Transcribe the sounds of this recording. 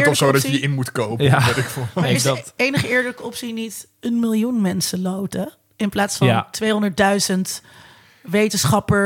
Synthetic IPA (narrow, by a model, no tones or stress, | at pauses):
ɹsodɑədəɪnmutkowpjatɪkfeɪsdtejnəχəɪːɹdələkəɔpsinit | ənmɪlˠjunmɛnsəlowtə | ɪnplaːtsfɑntʋejɦɔndəɹt̚dœɥzənt | ʋejtənsχɑpə